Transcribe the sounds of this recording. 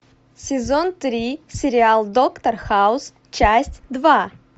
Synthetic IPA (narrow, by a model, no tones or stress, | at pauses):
sʲɪzont̪ɾʲisʲɪɾʲɪalˠd̪okt̪ərxaʊs | t͡ɕæsʲtʲd̪va